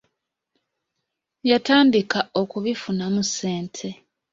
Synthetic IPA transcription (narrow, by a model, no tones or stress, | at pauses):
jataːndikao̞kuβifunamuseːntʰe̞